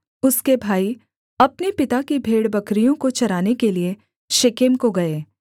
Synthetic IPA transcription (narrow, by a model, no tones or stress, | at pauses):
ʊskebʱaːi | ɐpnepɪt̪akibʱeːɽbɐkɾijõkot͡ʃɐɾaːnekelie | ʃekemkoɡɐeː